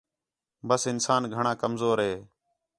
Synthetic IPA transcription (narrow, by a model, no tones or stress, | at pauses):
bəsɪnsaːnɡʱəɳãːkəmzoːɾɦeː